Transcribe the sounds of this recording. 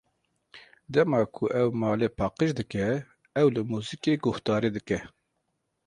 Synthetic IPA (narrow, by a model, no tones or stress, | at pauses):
d̪ɛmɑːkʰʊʔɛwmɑːleːpʰɑːqəʃd̪ɨkɛ | ɛwlɨmuːzikeːɡʊht̪ɑːɾiːd̪ɨkɛ